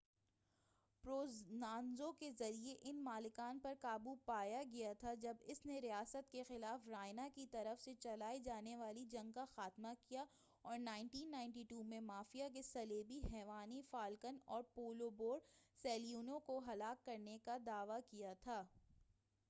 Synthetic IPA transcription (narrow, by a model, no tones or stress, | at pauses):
pɾoːznaːnzõkezɐɾieʔɪnmaːlɪkaːnpɐɾkaːbupaːjaɡɐjat̪ʰad͡ʒɐbɪsneɾijaːsət̪kexɪlaːfɾaːɪnakit̪ɐɾəfset͡ʃɐlaːid͡ʒaːneʋaːlid͡ʒɐ̃ŋɡ̚kaxaːt̪makija | ɔːɾnãːɪ̃ɳʈiːnːãːɪ̃ɳʈiːʈuːmẽmaːfijakesɐleːbiɦɛːʋaːnifaːlkənɔːɾpoːloboːɾɖsɛːlijuːnõkoɦɐlaːkːɐɾnekad̪aːʋakijat̪ʰaː